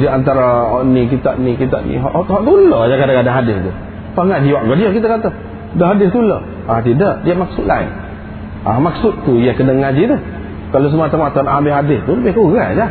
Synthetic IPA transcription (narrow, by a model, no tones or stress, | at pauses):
diant̪̬aɾaɦɔʔnik̬it̪a̰ʔnikit̪a̰ʔnḭɦɔ̰ʔʔhɔʔt̪uləd͡ʒakadaŋkadaŋɦadɪst̪u | p̪aŋad͡ʒiwaʔɡɔdiəkit̪akat̪a | dəɦadɪst̪ulə | at̪idəʔdiamak̚sʊt̪̚laɪ̰ŋ | amak̚sʊt̪t̪ːujakənaŋad͡ʒit̪u | kalos̬əmuat̪amat̪anʔambɪhɦadɪst̪uləbɪhkuɣad͡ʒa